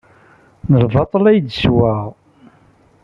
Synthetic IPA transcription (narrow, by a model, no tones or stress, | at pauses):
nəlvɑt̪ˤəlæjd̪swæʁ